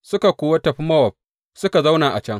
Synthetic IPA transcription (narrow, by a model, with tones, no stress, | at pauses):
sʊ˦ka˨kʷoː˨wɐ˦tɐ˨ɸi˦mɐ˦wɐ˨p̚ | sʊ˦ka˨za˦wnaː˨ʔa̰˨t͡ʃɐ˦ŋ